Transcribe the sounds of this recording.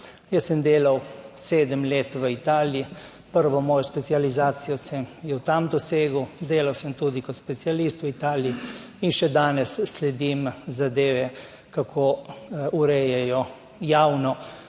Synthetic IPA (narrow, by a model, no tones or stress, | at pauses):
jəsəmd̪eːlawseːd̪əmleːt̪ʋəit̪aːlji | pəɾʋɔmɔːjɔspɛt̪sializaːt̪sijɔsəmjɛwt̪amd̪ɔseːɡəwd̪eːlawsəmt̪ud̪ikɔt̪spɛt̪sialist̪ʋəit̪aːlii | inʃɛd̪aːnɛsːlɛd̪imzad̪eːʋɛ | kakʰouɾɛjɛjɔ | jawnɔ